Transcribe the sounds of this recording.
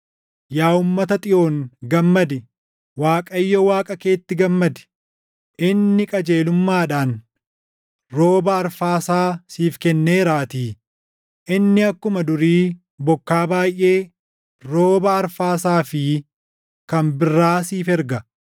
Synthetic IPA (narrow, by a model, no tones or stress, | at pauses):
jaːʊmːɐt̪ɐt̪ʼɪʔo̞ːŋɡɐmːɐd̪ɪ | waːkʼɐɪjːɔwaːkʼɐke̞ːt̪ːɪɡɐmːɐd̪ɪ̥ | ʔɪnːɪkʼɐd͡ʒe̞ːlʊmːaːᶑaːn | ɾo̞ːbɐːɾfaːsaːsiːfkɛnːeːɾaːt̪iː | ʔɪnːɪɐkːʊmɐd̪ʊɾiː | bɔkːaːbaːjʔe̞ː | ɾo̞ːbɐːɾfaːsaːfɪ | kɐmbɪrːaːsiːfɛɾɡɐ